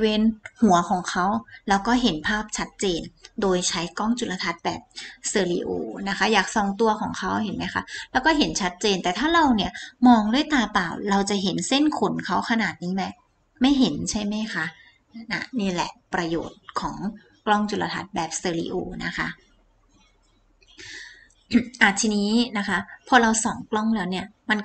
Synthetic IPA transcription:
weː˧nhu˩˦ɐkʰɔː˩˦ŋkʰa˦˥wlɛː˦˥wkɔː˥˩ɦe˩˦npʰaː˥˩p̚t͡ɕʰa˦˥t̪̚t͡ɕeː˧ndoː˧jt͡ɕʰa˦˥jkɔ˥˩ŋt͡ɕu˨˩t̪̚la˧t̪ʰa˦˥t̪̚bɛː˨˩p̚sɤː˧liː˧ʔo̰ː˧˩na˦˥kʰa˦˥jaː˨˩k̚sɔ˧ŋt̪u˧ɐkʰɔː˨˩˦ŋkʰa˦˥wɦe˨˩˦nma˦˥jkʰa˦˥lɛː˦˥wkɔː˥˩ɦe˩˦nt͡ɕʰa˦˥t̪̚t͡ɕeː˧nt̪ɛː˨˩t̪ʰaː˥˩ɾa˧wni˥˩ɐmɔː˧ŋdɯ˥˩əjt̪aː˧pa̰ː˨˩wɾa˧wt͡ɕa˨˩ɦe˩˦nse˥˩nkʰu˨˩˦nkʰa˦˥wkʰa˧naː˨˩t̪̚niː˦˥ma˦˥ | ma˥˩jɦe˨˩˦nt͡ɕʰa˥˩jma˦˥jkʰa˦˥ | na̰˦˥niː˥˩lɛ̰˨˩pɾa˧joː˨˩t̪̚kʰɔː˩˦ŋ | klɔ˥˩ŋt͡ɕu˨˩la̰˧t̪ʰa̰˨˩t̪̚bɛː˨˩p̚sɤː˧lḭː˧˩ʔo̰ː˧˩na˦˥kʰa˦˥ | ʔa˨˩t̪t̪ʰiː˧niː˦˥na˦˥kʰa˦˥pʰɔː˧ɾa˧wsɔː˨˩˦ŋklɔ˥˩ŋlɛː˦˥wni˥˩ɐma˧n

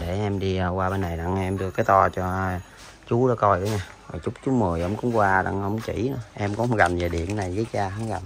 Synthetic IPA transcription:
ɗe˧˩ʔɛ˧mɗi˧əː˧waː˧ɓe˧nːa˨˩jɗa̰˧˨ŋʔɛ˧mɗɨ˧əkaː˨˦jt̪ɔ˧t͡ɕɔ˧ | t͡ɕu˨˦ɗɔ˨˦kɔ˧jɗɔ˨˦ɲaː˧vaː˨˩t͡ɕʊ˦˥k͡p̚t͡ɕu˨˦mɨ˨˩əjʔə̰˧˦wŋ͡mkʊ̰˧˥˦ŋ͡mkwaː˧ɗa̰˧ŋʔə˧˦wŋ͡mt͡ɕḭ˧˩nɨ˧˦ʔɛ˧mkɔ˧˦˨ɣa˨˩mve˨˩ɗḭ˧˨ənna˨˩jɣəː˨˦t͡ɕaː˧ha˨˦nɣa˨˩m

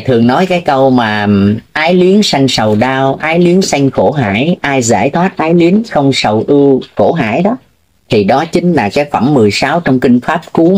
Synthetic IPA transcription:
t̪ʰɨ˨˩əŋnɔ˨˦jkaː˨˦jkə˧wmaː˨˩ʔaː˨˦jli˨˦ənsa˧jŋ̟sə˨˩wɗaː˧wʔaː˨˦jli˨˦ənsa˧jŋ̟xo˧˩ɦa̰ː˧˩jʔaː˧jza̰ː˧˩jt̪ʰwaː˦˥t̚ʔaː˨˧˦jli˨˦ənxə˧wŋ͡msə˨˩wʔɨ˧xo˧˩ɦa̰ː˧˩jɗɔ˨˦ | t̪ʰi˨˩ɗɔ˨˦t͡ɕï˨˦ŋ̟laː˨˩kaː˨˦jfə˧˩mːɨ˨˩əjsaː˨˦wt͡ɕɔ˧wŋ͡mkï˧ŋ̟faː˦˥p̚ku˨˦

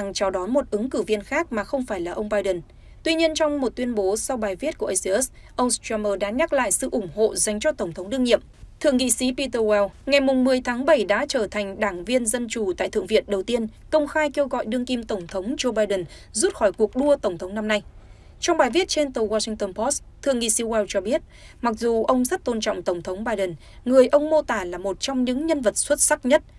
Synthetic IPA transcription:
ŋt͡ɕɔ˧wɗɔ˨˦nmo˨˩t̚ʔɨ˨˦ŋkɨ˧˩vi˧ənxaː˦˥k̚maː˨˩xə˧wŋ͡mfaː˧˩jlaː˨˩ʔə˧wŋ͡mɓaː˧jɗə˨˩n | t̪wi˧ɲi˧ənt͡ɕɔ˧wŋ͡mmo˨˩t̚t̪wi˧ənɓo˨˦sa˧wɓaː˨˩jvi˦˥t̚ku˧˩ʔə˧si˧ʔə˦˥sʔə˧wŋ͡mstwa˧məː˧ɗaː˨˥ɲa˦˥k̚la̰ː˧˨jsɨ̰˧˨ʔʊ˧˩ŋ͡mho̰˧˨za˨˩jŋ̟t͡ɕɔ˧t̪ə˧˩wŋ͡mt̪ʰə˨˦wŋ͡mɗɨ˧ŋɲḭ˧˨əmt̪ʰɨ̰˧˨əŋḭ˧˨si˨˦pi˧t̪əː˧wɛ˧wŋa˨˩jmʊ˨˩ŋ͡mmɨ˨˩əjt̪ʰaː˨˦ŋɓə˧˩jɗa̰ː˧˥t͡ɕəː˧˩t̪ʰa˨˩jŋ̟ɗaː˧˩ŋvi˧ənzə˧nt͡ɕu˨˩t̪a̰ː˧˨jt̪ʰɨ̰˧əŋvḭ˧˨ənɗə˨˩wt̪i˧ənkə˧wŋ͡mxaː˧jke˧wɣɔ̰˧˨jɗɨ˧əŋki˧mt̪ə˧˩wŋ͡mt̪ʰə˨˦wŋ͡md͡ʑo˧ɓaː˧jɗə˨˩n | zu˦˥t̚xɔ˧˩jku˨˩ək̚ɗu˧ət̪ə˧˩wŋ͡mt̪ʰə˨˦wŋ͡mna˧mna˧j | t͡ɕɔ˧wŋ͡mɓaː˨˩jvi˦˥ət̚t͡ɕe˧nt̪ə˨˧˩wwaː˧sï˧ŋt̪ə˧npo˦˥st̪ʰɨ̰˧˨əŋḭ˧˨si˨˦wɛ˧wt͡ɕɔ˧ɓi˦˥ət̚ | ma˨˩k̚zu˨˩ʔə˧wŋ͡mzə˦˥t̚t̪o˧nt͡ɕɔ̰˧˨wŋ͡mt̪ə˧˩wŋ͡mt̪ʰə˨˦wŋ͡mɓaː˧jɗə˨˩n | ŋɨ˨˩əjʔə˧wŋ͡mmo˧t̪aː˨˩laː˨˩mo˨˩t̚t͡ɕɔ˧wŋ͡mɲɨ̰˧˥ŋɲə˧nvə˨˩t̚swə˦˥t̚sa˦˥k̚ɲə˦˥t̚

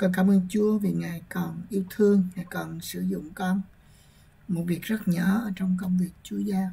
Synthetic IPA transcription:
kɔ˨˩nkaː˧˦mʔəː˧nt͡ɕu˨˦əvi˨˩ŋaː˨˩jkɔ˨˩nʔi˧əwt̪ʰɨ˧əŋːaː˨˩jkɔ˨˩nsɨ˧˩zʊ̰˧˨ŋ͡mkɔ˧n | mo˨˩t̚vi˨˩ək̚zə˦˥t̚ɲɔ˧˨˩ʔəː˧˩˦t͡ɕɔ˧wŋ͡mk̬ə˧wŋ͡mvi˨˩ək̚t͡ɕu˨˦əzaː˧

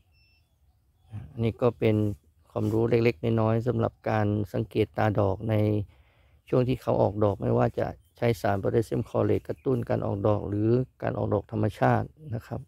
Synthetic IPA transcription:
ʔa˧˩ʔa˧nːiː˧˩kɔː˧˩pe˧n | kʰwaː˧˩mɾuː˦˥le˧k̚le˧k̚naː˧˩˨nɔː˧˥˩js̬a˨˦mla̰˨˧˩p̚kaː˨˧nsa˨˦ŋkeː˨˩t̪ːaː˧dɔː˨˩k̚na˧j | t͡ɕʰu˥˩əŋt̪ʰiː˧˩kʰa˨˦wʔɔ̰ː˨˩k̚dɔː˨˩k̚ma̰˧˥˩jwaː˧˩t͡ɕa̰˧ʔt͡ɕʰa˦˥jsaː˨˦nbɔː˧˦da˥˩jse˧˥˨mkʰɔː˧˩le˧˩kːa˧t̪u˥˨nka̰ː˧nʔɔ̰ː˨˩k̚dɔː˨˩k̚lɯː˨˦ka̰ː˧˨nʔɔ̰ː˨k̚dɔː˨˩t̪ʰa˧mːa˧t͡ɕʰaː˥˩t̪̚na˧˥˩kʰa˦˧p̚

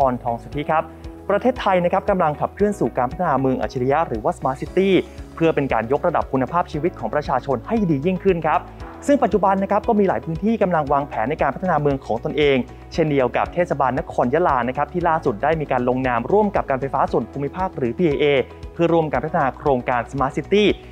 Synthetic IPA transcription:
ɔː˧nt̪ʰɔː˧ŋsu˨˩t̪ʰːi˦˥kʰa˦˥p̚pːɾa˧t̪ʰeː˥˩t̪ʰːa˧jna˦˥kʰa˦˥p̚ka˧mla˧ŋkʰa˨˩p̚kʰlɯ˥˩ənsuː˨˩kaː˧npa˦˥t̪ʰa˧nː˧mɯ˧əŋʔa̰˨˩t͡ɕi˧li˦ja˦˥ɾɯː˩˦waː˥˩smaː˧˥si˦˥t̪iː˥˩pʰɯ˥˩əpe˧nkaː˧njo˦˥k̚ɾa˧da̰˨˩p̚kʰːu˧nːa˧pʰaː˥˩p̚t͡ɕʰiː˧wi˦˥t̪̚kʰɔː˩˦ŋpɾa˧t͡ɕʰaː˧t͡ɕʰo˧nha˥˩jdiː˧ji˥˩ŋkʰɯ˥˩nkʰa˦˥p̚sɯ˥˩ŋpa˨˩t̪̚t͡ɕu˨˩ba˧nːa˦˥kʰa˦˥p̚kɔː˥˩miː˧laː˩˦jpʰɯː˦˥nt̪ʰiː˥˩ka˧mla˧ŋwaː˧ŋpʰɛː˩˦nːa˧jkaː˧npʰt̪ʰa˧naː˧mɯ˧əŋkʰɔː˩˦ŋt̪o˧nʔeː˧ŋ | t͡ɕʰe˥˩ndi˧əwka̰˨˩p̚t̪ʰeː˥˩sa˧baː˧nːa˦˥kʰɔː˧njaː˦˥laː˧na˦˥kʰa˦˥p̚t̪ʰiː˥˩laː˥˩su˨˩t̪̚daː˥˩jmiː˧kaː˧nlo˧ŋnaː˧mɾu˥˩əmka˨˩p̚kaː˧nfa˧jfaː˦˥su˨˩ənpʰuː˧mːi˦˥pʰaː˥˩k̚ɾɯː˩˦pʰiː˧ʔeː˧ʔeː˧ | pʰɯ˥˩ɐɾu˥˩əmkaː˧npʰa˦˥t̪ʰːa˧naː˧kʰɾoː˧ŋkaː˧nsa˧maː˦˥si˦˥t̪iː˥˩

